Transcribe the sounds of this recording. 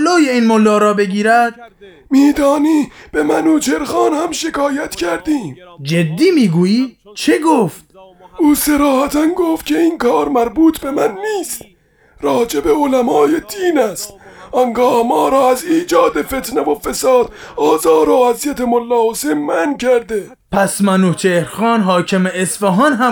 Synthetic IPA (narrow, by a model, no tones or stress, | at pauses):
loːjeinmolːɑːɾɒːbeɡiːɾæd̪̥̚ | miːd̪ɒːniːb̥emænoːt͡ʃʰeɾxɑːnhæmʃekʰɒːjæt̪cʰæɾd̪iːmd͡ʒed̪ːiːmiːɡuːjiːt͡ʃʰeɡoːft̪uːseɾɒːhæt̪ʰænɡoft̪kʲcʰe̞iːnkʰɑːɾmæɾbuːt̪ʰbe̞mænːiːst̪̚ | ɾɒːd͡ʒebeolæmɒːjed̪iːnæst̪ɒŋɡɒːhmɒːɾɒːæziːd͡ʒɒːd̪efet̪nevofesɑːd̪̥ɒːzɑːɾɒːæzjæt̪emolːɒːosemːænkʰæɾd̪e | pʰæsmænuːt͡ʃʰehɾxɑːnɦɒːkʰemeesfeɦɒːnɦæ